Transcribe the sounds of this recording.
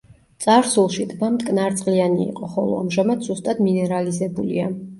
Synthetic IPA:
t̪sʼaɾsulˠʃid̪bamt̪ʼkʼnaɾt̪sʼqʼlianḭːqʼɔχɔ̰lˠɔ̰amʒamad̪zust̪ʼad̪minɛɾalizɛbulḭa

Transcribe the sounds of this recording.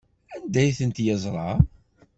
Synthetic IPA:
ænd̪æjθənt̪jɑzˤɾˤɑ

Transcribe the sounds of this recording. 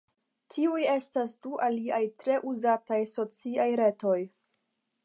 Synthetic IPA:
tʰiuje̞stasduʔaliajtɾe̞ʔuzatajso̞t͡siajɾe̞to̞j

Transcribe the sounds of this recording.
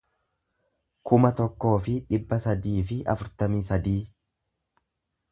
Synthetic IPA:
kʊmɐt̪ɔkːo̞ːfɪᶑɪbːɐsɐd̪iːfɪʔɐ̰fʊɾt̪ɐmiːsɐd̪iː

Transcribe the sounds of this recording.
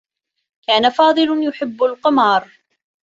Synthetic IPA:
kaːnafɑːd̪ˤɨlʊjʊħɪbːalqɪmɑːɾˤ

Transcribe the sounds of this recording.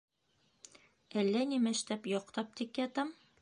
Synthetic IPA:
ælːænimæʃt̪æpjɒqt̪ɑp̚t̪ikjɑt̪ɑm

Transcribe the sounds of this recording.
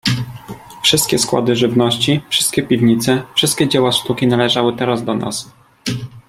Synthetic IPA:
fʂɘst̪kʲɛskwa̰d̪ɘʐɘvnɔɕt͡ɕifʂɘ̥st̪̚kʲɛpʲivɲit̪sɛfʂɘst̪̚kʲɛd͡ʑewaʂt̪ukʲinalɛʐawɘt̪ɛɾazd̪ɔnʔa̰s

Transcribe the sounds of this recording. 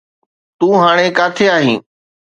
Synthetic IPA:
t̪ũːɦaːɽ̃ekaːt̪ʰeaːɦĩː

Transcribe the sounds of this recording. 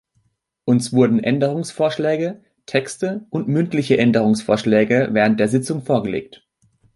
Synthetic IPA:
ʔʊnsv̥ʊɐdn̩ʔɛndəʁ̞ʊŋsfoːɐʃlɛːɡə | tʰɛkstəʔʊntmʏntlɪçəʔɛndəʁ̞ʊŋsfoːɐʃlɛːɡəvɛːʁ̞ənt̚d̥eːɐzɪt͡sʊŋfoːɐɡəlḛːk̚t

